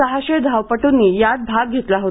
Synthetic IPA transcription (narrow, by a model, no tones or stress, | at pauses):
əɦaɕed̪ʱawpəʈunːiːjad̪̚bʱaɡ̚ɡʱet̪laɦot̪